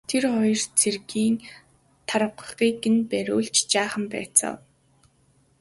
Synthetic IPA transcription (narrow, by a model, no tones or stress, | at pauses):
t̪ʰerχɔjɞ̆rt͡sʰerɣiːŋ | t̪ʰaɾə̆qə̥̆χiːkɘ̆npæɾʲʊ̰ːɮt͡ɕt͡ɕaːχə̆mpæ̰ːt͡sɔ̰ː